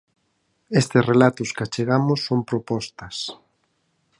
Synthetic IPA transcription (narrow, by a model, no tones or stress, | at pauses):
est̪ɪsrelat̪ʊskat͡ʃeɣamʊsːompɾopɔst̪ɐs